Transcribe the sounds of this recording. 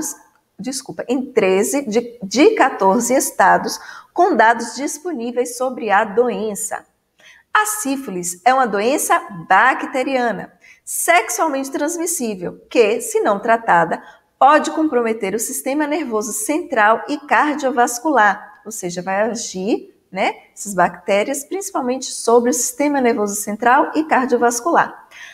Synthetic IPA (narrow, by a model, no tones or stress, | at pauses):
d͡ʒiskupɐʔẽj̃t̪ɾezɪd͡ʒɪkat̪oɾzɪest̪ad̪ʊskõw̃d̪ad̪ʊzd͡ʒisponivejsːobɾɪɐd̪oẽsɐ̰ | asifulisɛũmɐd̪oẽsɐbakit̪eɾiɐ̃nɐ̰ | seksuawmẽnt͡ʃɪt̪ɾɐ̃zmisivewkesɪnɐ̃w̃t̪ɾat̪ad̪ɐ | pɔd͡ʒɪkõpɾomet̪eɾʊsist̪ẽmɐneɾvozʊsẽnt̪ɾawɪkaɾd͡ʒiovaskulaɾowseʒɐvajaʒiɾ | nɛɛsɐzbakt̪ɛɾiɐspɾĩsi̥pawmẽnt͡ʃɪ̥sobɾɪʊsi̥st̪ẽmɐneɾvozʊsẽnt̪ɾawɪkaɾd͡ʒiovaskula̰ɾ